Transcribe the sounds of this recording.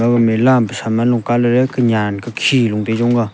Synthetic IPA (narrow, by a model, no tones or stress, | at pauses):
əkəmelampəsʰamanloŋkaləɾelkəɲankəkʰiloŋped͡ʑoŋɡə